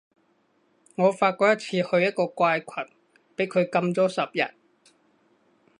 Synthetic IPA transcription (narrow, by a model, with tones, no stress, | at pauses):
ŋɔː˨˧faː˧t̚kʷɔː˧˥jɐ˥t̚t͡sʰiː˧hɵ˧ɥjɐ˥t̚kɔː˧kʷaː˧jkʷʰɐ˨˩n | pe˨˥jkʰɵ˨˧ɥkɐ˧mt͡sɔː˥sɐ˨p̚jɐ̰˨˩t̚